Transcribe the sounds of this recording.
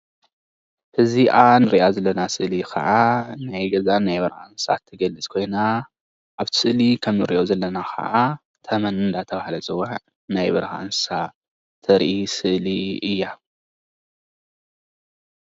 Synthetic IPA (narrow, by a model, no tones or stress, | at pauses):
hɨziʔanɨɾiʔazɐlːɐnasɨʔlikʰɐ̰ʔanajɡɐzanajbɐɾha̰nsa̰t̪ʰːɨɡɐlːɨt͡sʼkʰo̞jna | ʔaβt̪ʰɨ̥sɨʔlikʰɐmːɨɾiʔozɐlːɐnaxʰɐ̰ʔa | t̪ʰɐmɐnɨnd̪at̪ʰɐβahlɐt͡sʼɨwːaʕ | najβɐɾha̰nsa | t̪ʰɐɾʔisɨʔliɨjːa